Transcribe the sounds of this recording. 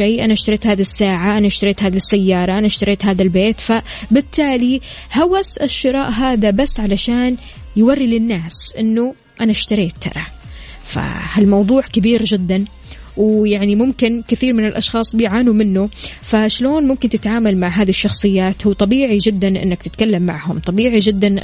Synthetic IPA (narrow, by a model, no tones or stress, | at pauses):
ajʔanaʃt̪ɑɾeːt̪haːðisːaːʕaʔanaʃt̪ɑɾeːt̪haːðisːajːɑːɾˤɑʔanaʃt̪ɑɾˤeːt̪ɦaːðalbeːt̪fabɪt̪ːaːlihawasʔɪʃːɪɾˤɑ̰ːʔɦaːðabasːʕalaʃaːn | jɪwarːilɪnːaːsʔɪnːʊ | ʔanaʃt̪ɑɾiːt̪ːɑ̰ɾˤɑ | fa̰halmɑwðˤuːʕkɪbiːɾd͡ʒɪd̪ːan | wjaʕnimʊmkɪnkɪθiːɾmɪnɪlʔɑʃxɑːsˤbɪjʕaːnumɪnːufaʃloːnmʊmkɪnt̪ɪt̪ʕaːmalmaʕɦaːðiʃːɑxsˤɨjːaːt̪huːt̪ˤɑbiːʕid͡ʒɪd̪ːanʔɪ̰nːakt̪ɪt̪kalːamːa̰ʕhʊmt̪ˤɑbiːʕid͡ʒɪd̪ːan